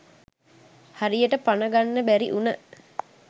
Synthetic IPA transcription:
haɾijəʈəpanəɡanːəbæɾiʔunə

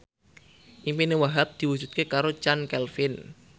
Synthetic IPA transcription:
ʔimpinewaɦap̚d̪̥i̤wu̥ʒ̥ut̪̚kekaɾot͡ʃankɛlfɪn

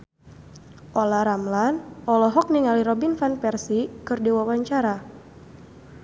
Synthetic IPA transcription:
ʔɔlaɾamlanʔɔlɔɦɔk̚niŋaliɾɔbinfanpɛrsikɨrdiwawaɲt͡ʃaɾa

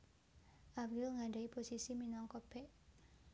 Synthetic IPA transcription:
ʔapdilŋaɖaiposisiminɔŋkob̥ɛʔ

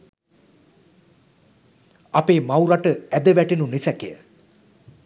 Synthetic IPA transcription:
apeːmawɾaʈəæd̪əʋæʈinunisækejə̰

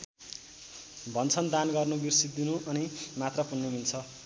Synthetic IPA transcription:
bʱʌnt͡sʰʌnd̪anɡʌrnubirsid̪inuʔʌnimat̪rapunːemilt͡sʰʌ

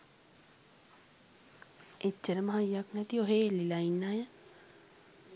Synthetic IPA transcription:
et͡ʃːəɾmɦaːjaknet̪ioɦeːlilaːinaːja

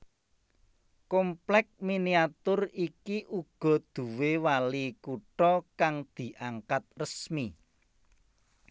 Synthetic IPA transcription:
komplɛk̚miniat̪ʊrikiʔuɡ̥ɔ̤d̪̥ṳwewalikuʈɔkaŋd̪̥i̤ʔaŋkat̪̚rəsmi

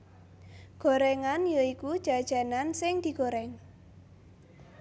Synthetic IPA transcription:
ɡ̥oɾɛŋanjəikud̥ʒ̥a̤d̥ʒ̥a̤nansɪŋd̪̥iɡ̥oɾɛŋ

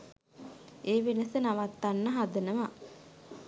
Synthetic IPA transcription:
eːʋenəsənaʋat̪ːanːəɦad̪ənəʋa

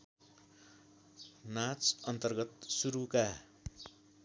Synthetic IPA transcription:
nat͡sʌnt̪ʌrɡʌt̪suɾuka

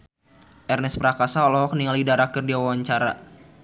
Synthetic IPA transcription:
ʔɛrnɛspəɾakasaɔlɔɦɔkəniŋalidaɾakɨrdiawawaɲt͡ʃaɾa̰

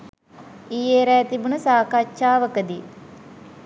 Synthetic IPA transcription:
iːeːɾæːt̪ibunəsaːkat͡ʃːaːʋəkəd̪i

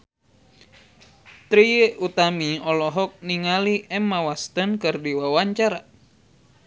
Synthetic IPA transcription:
t̪ɾiut̪amiɔlɔɦɔk̚niŋaliɛmawast̪ənkɨrdiwawaɲt͡ʃaɾa

